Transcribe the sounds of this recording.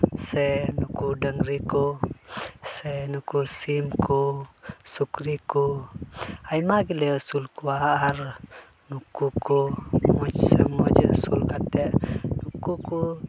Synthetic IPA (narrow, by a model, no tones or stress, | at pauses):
sɛnukudəŋriku | senukusimkusukriku | ajmaɡilesulkuaːr | nukukumɔt͡ʃsəmod͡ʒə̰sulkat̪ɛʔnukuku